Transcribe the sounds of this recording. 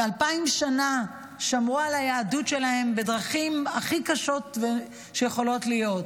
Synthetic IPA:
alpaimʃana | ʃamʁualajaːdutʃe̞lahe̞mbedʁaχimaχikaʃo̞tve | ʃejeχo̞lo̞tlijo̞t

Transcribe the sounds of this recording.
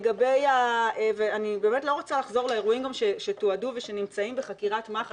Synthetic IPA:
ɡabejaeveanibe̞ːmetlo̞ʁot͡salaχzo̞ʁlaeʁuimɡamʃeʃe̞toaduveʃenimt͡saimbeχakiʁatmaχ

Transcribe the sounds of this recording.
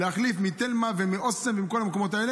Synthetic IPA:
leaχlifmit̪elmavemiʔosemvimko̞lamekomo̞t̪aele

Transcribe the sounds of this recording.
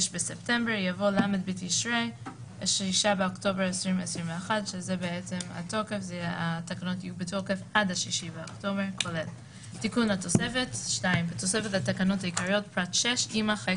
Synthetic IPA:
ʃbeseptembeʁjavo̞lamed̚bitiʃʁe | ʃiʃabeokto̞beʁesʁimvesʁimveaχadʃezebeet͡sema̰to̞kefzeatakano̞tijubeto̞kefadhaʃiʃibeokto̞beʁkʰolel | tikunato̞sefetʃtaimbeto̞sefetatakano̞thaikaʁio̞t̚pʁatʃeʃimaχe

